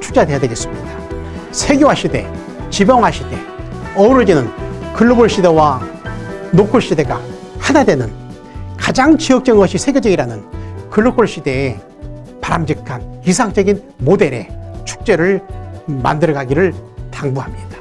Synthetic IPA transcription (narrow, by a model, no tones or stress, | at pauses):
t͡ɕʰu̥k̚t͡ɕ͈ade̞jadeɡes͈ɯmɲida | sʰe̞ɡjoɦaɕ͈ʰide̞̰ | t͡ɕibjʌŋɦaɕ͈ʰide̞ | ʌuɾod͡ʑenɯnkɯɭːoboɭɕ͈idewa | nokʰoɭɕ͈ide̞ɡa̰ | hanade̞nɯn | kad͡ʑaŋt͡ɕiʌk̚t͡ɕ͈ʌɡɯŋɡʌɕʰisʰe̞ɡjod͡ʑʌɡiɾanɯnkɯɭːokʰoɭɕ͈ide̞ː | paɾamd͡ʑikʰanisʰaŋt͡ɕ͈ʌɡin | mode̞ɾe̞t͡ɕʰu̥k̚t͡ɕ͈e̞ɾɯɭma̰ndɯɾɡaɡiɾɯɭtaŋbuɦamɲid̥ḁ